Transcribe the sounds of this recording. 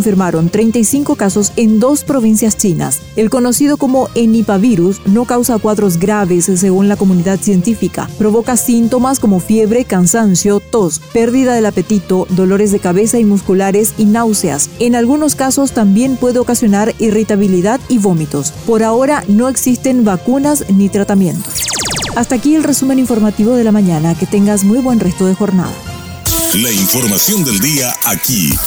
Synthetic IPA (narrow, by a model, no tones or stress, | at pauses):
onfiɾmaɾo̞nt̪ɾe̞jnt̪ajsiŋko̞kaso̞se̞nd̪o̞spɾo̞βinsjast͡ʃina̰s | e̞lko̞no̞sið̞o̞komo̞ʔenipaβiɾusno̞kawsakwaðɾo̞z̬ɡɾaβesːe̞ɣunlako̞muniðaðsje̞nt̪ifika̰pɾo̞β̞o̞kasint̪o̞masko̞mo̞fje̞βɾe̞kansansjot̪o̞spe̞ɾðiðaðelape̞t̪it̪o̞d̪o̞lo̞ɾezðe̞kaβe̞saimuskulaɾesinawsea̰se̞nalɣuno̞skaso̞st̪ambje̞mpwe̞ðeokasjo̞naɾirit̪aβiliðaðiβo̞mit̪o̞spo̞ɾao̞ɾano̞e̞ksist̪e̞nbakunasnit̪ɾat̪amjẽ̞nt̪o̥sast̪aːkielre̞sume̞niɱfo̞ɾmat̪iβo̞ð̞e̞lamãɲanake̞t̪e̞ŋɡazmujβwe̞nre̞st̪o̞ðe̞xo̞ɾna̰ða̰ | laiɱfoɾmasjond̪eld̪iaʔakḭ